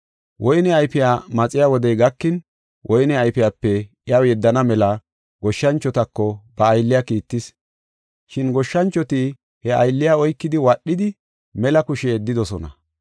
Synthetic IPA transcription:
wʔɔjnɛɐjpɪjaːmɐt͡sʼɪjaːwɔd̪ɛjɡɐkːɪn | wʔɔjnɛɐjpɪjaːpːɛ | ɪjawjɛd̪ːɐnɐmɛlɐ | ɡ̥ɔʃːɐnt͡ʃːɔt̪ɐkːɔbɐːjlːɪjaːkiːt̪ːɪs | ʃɪnɡɔʃːɐnt͡ʃːɔt̪ɪ | hɛɐ̰jlːɪjaɔjkːɪd̪ɪwaɗːɪd̪ɪ | mɛlɐkʊʃɛːd̪ːɪd̪ɔsɔnɐ̰

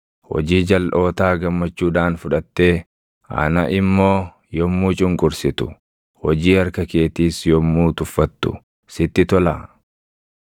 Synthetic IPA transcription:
hɔ̰d͡ʒiːd͡ʒɐlʔo̞ːt̪aːɡɐmːɐt͡ʃːuːᶑaːnfʊᶑɐt̪ːe̞ː | ɐ̰nɐʔɪmːo̞ː | jɔmːuːt͡ʃʼʊŋkʼʊɾsɪt̪ʊ̥ | hɔd͡ʒiːɐɾkɐke̞ːt̪iːsjɔmːuːt̪ʊfːɐt̪ːʊ̰ | sɪt̪ːɪt̪ɔla̰ː

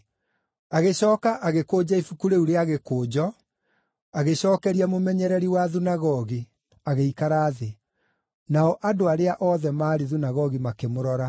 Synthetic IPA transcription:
aɣeɕɔːkaʔaɣekoːd͡ʑaifukuɾeuɾeaɣekoːd͡ʑɔ | aɣeɕɔːkɛɾiamomɛɲɛɾɛɾiwaðunaɣɔɣi | aɣeikaɾaːðe | naɔʔadoaɾeaʔɔðɛmaːɾiðunaɣɔɣimakemoɾɔɾa

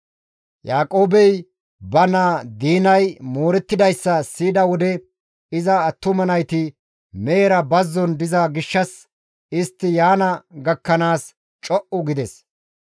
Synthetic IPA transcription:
jaːkʼo̞ːbɛj | bɐnaːd̪iːnɐjmo̞ːɾɛt̪ːɪd̪ɐjsːɐsiːd̪ɐwɔd̪ɛ | ɪzɐːt̪ːʊmɐnɐjt̪ɪ | meːɾɐbɐzːɔnd̪ɪzɐɡɪʃːɐs | ɪst̪ːɪjaːnɐɡɐkːɐnaːs | t͡ʃʼɔʔʊɡɪd̪ɛs

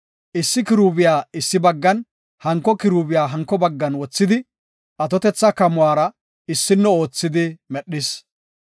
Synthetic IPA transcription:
ʔɪsːɪkɪɾuːbɪjaːɪsːɪbɐɡːɐn | hɐŋkːɔkɪɾuːbɪjaːɦɐŋkːɔbɐɡːɐnwɔt͡sːɪd̪ɪ | ɐt̪ɔt̪ɛt͡sːɐkɐmʊwaːɾɐ | ɪsːɪnːɛo̞ːt͡sːɪd̪ɪmɛɗːɪs

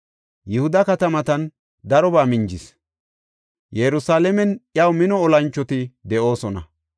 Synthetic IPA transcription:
jɪhʊd̪ɐkɐt̪ɐmɐt̪ɐn | d̪ɐɾɔbaːmɪnd͡ʒɪs | jɛɾʊsaːlɛmɛnʔjɐwmɪnɔːlɐnt͡ʃːɔt̪ɪd̪ɛʔo̞ːsɔnɐ̰

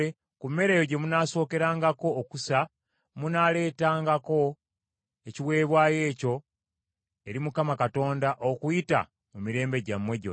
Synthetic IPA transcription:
e | kummːe̞ɾe̞ːjoɟe̞munaːso̞ːke̞ɾaːŋɡako̞ːkusa | munaːle̞ːtaːŋɡako̞ | e̞ciwe̞ːβwaːje̞ːco̞ | eɾimukamakato̞ːndaʔokujita̰ | mumiɾe̞ːmbe̞ɟamːwe̞ɟo

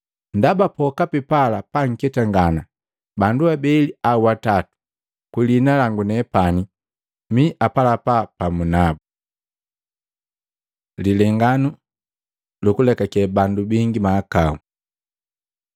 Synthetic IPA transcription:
ndabapɔkapipalapaŋ̩kɛtaŋɡana | banduabɛliauatatu̥ | kilinalaŋɡunɛpani | miʔapalapapamunabu | lilɛŋɡanu | lukulɛkakɛbandubiŋɡimaːkaṵ

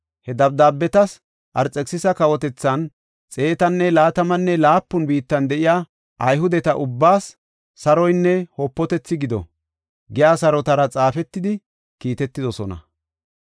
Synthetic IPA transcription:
hɛd̪ɐb̚d̪aːbːɛt̪ɐs | ʔɐɾt͡sʼɛksɪsɐkɐwɔt̪ɛt͡sːɐn | t͡sʼe̞ːt̪ɐnːɛlaːt̪ɐmɐnːɛlaːpːʊnbiːt̪ːɐnd̪ɛʔɪjaː | ʔɐjɦʊd̪ɛt̪ɐʔʊbːaːsː | ɐɾɔjnːɛhoːpːɔt̪ɛt͡sːɪɡɪd̪ɔ̰ | ɡɪjaːsɐɾɔt̪ɐɾɐt͡sʼaːfɛt̪ːɪd̪ɪ | kiːt̪ɛt̪ːɪd̪ɔsɔnɐ̰

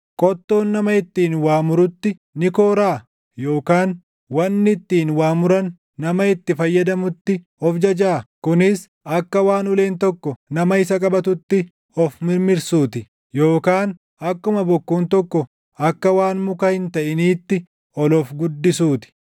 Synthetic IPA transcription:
kʼɔt̪ːo̞ːnːɐmɐɪt̪ːiːnwaːmʊɾʊt̪ːɪ | nɪko̞ːɾaː | jo̞ːkaːn | wɐnːɪɪt̪ːiːnwaːmʊɾɐnː | ɐmɐɪt̪ːɪfɐjːɐd̪ɐmʊt̪ːɪ | ɔfd͡ʒɐd͡ʒaːkʊnɪs | ɐkːɐwaːnʊle̞ːnt̪ɔkːɔnɐmɐɪsɐkʼɐbɐt̪ʊt̪ːɪ | ɔfmɪɾmɪɾsuːt̪ɪ | jo̞ːkaːn | ɐkːʊmɐbɔkːuːnt̪ɔkːɔ | ɐkːɐwaːnmʊkɐhɪnt̪ɐʔɪniːt̪ːɪ | ɔlɔfɡʊd̪ːɪsuːt̪ɪ̥

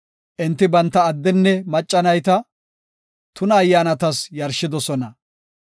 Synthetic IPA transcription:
ʔɪnt̪ːɪbɐnt̪ːɐːd̪ːɛnːɛmɐt͡ʃʼːɐnɐjt̪ɐ | t̪ʊnɐːjːaːnɐt̪ɐsjɐɾʃɪd̪ɔsɔnɐ

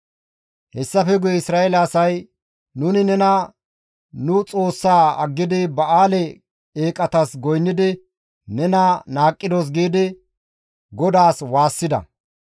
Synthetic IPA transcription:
hɛsːɐfɛɡʊjɛɪsɾaːelaːsɐj | nʊnɪnɛnɐ | nʊt͡sʼo̞ːsːaːɐɡːɪd̪ɪbɐaːlɛ | eːkʼɐt̪ɐsɡɔjnːɪd̪ɪ | nɛnɐnaːkʼːɪd̪oːs̬ɡiːd̪ɪ | ɡɔd̪aːswaːsːɪd̪ɐ̰

